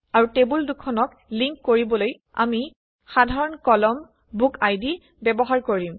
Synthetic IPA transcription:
aɹutebuldukʰːɔnɔk | liŋkːoɹibɔloj | a̰mi | xadʱaɹɔnkɔlɔm | bukajdi | bɛbɔɦaɹkoɹim

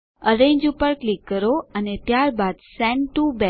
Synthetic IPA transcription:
əɾẽɲd͡ʒupəɾklikːəɾoənet̪jaɾbad̪sɛ̃ɳɖʈubɛ

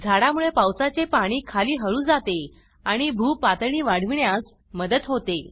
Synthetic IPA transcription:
d͡zʱaɽamuɭepawsat͡sepaɽ̃iːkʰaliːɦəɭũːd͡zat̪e | aɽ̃ibʱuːpat̪ɳiːʋaɽ̤ʋiɳjas | məd̪ət̪ɦot̪e

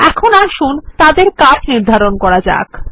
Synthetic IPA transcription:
ɛkʰonaʃunt̪ad̪eɾkat͡ɕʰniɾd̪ʱaɾonkɔɾad͡ʑa̰k

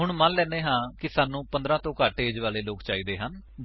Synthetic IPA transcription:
ɦʊɳmənlɛ̃ːneːɦãːkɪsaːnːũːpə̃nd̪ɾãːt̪õːkaːʈeːd͡ʒʋaːleːloːkt͡ʃaːiːd̪eːɦən

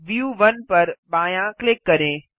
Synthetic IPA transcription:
ʋjuːʋɐnpɐɾɓaːjãklɪkːɐɾẽː

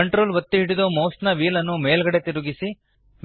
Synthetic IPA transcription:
ɐɳʈɾoːlʋɐt̪ːiɦiɽid̪omoːsnɐʋiːlɐnːumeːlɡɐɽet̪iɾuɡisi | ʋ

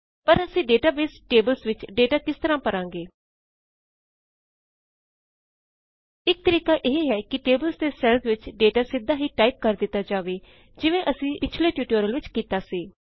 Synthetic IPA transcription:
pəɾəsĩːɖeːʈaːbeːsʈeːbəlsʋɪt͡ʃɖeːʈaːkɪst̪əɾãːpəɾãːŋɡeː | ɪk̚t̪əɾiːkaːʔeːɦeɦɛːkɪʈeːbəlsd̪eːsɛːɽt̪ʋɪt͡ʃɖeːʈaːsɪd̪aːɦiːʈaːip̚kəɾd̪ɪt̪ːaːd͡ʒaːʋeː | d͡ʒɪʋẽːʔəsĩːpɪt͡ʃʰleːʈjuːʈoːɾəlʋɪt͡ʃkiːt̪aːsiː

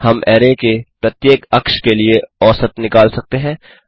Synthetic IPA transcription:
hɐmʔɛːɾekepɾɐt̪jeːkɐkʃkelieɔːsət̪nɪkaːlsɐk̚t̪eɦɛ̃ː

